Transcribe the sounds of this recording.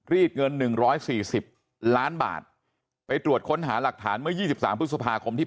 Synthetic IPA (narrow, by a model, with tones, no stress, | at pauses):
ɾiː˥˩t̪̚ŋɤ˧nːɯ˨˩ŋɾɔː˦˥jsiː˨˩si˨˩p̚ | laː˦˥nba̰ː˨˩t̪̚ | pa˧jt̪ɾu˨˩ət̪̚kʰo˦˥nɦaː˩˦la˨˩k̚t̪ʰaː˩˦nmɯ˥˩əjiː˥˩si˨˩p̚sa̰ː˩˦mp̪̚ʰsa˧pʰaː˧kʰo˧mt̪ʰiː˥˩